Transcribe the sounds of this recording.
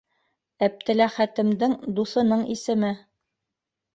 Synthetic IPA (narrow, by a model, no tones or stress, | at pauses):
æp̚t̪ɘ̆læχæt̪ɘ̆md̪ɘŋd̪usɤ̆nɤɴisɘ̆mɘ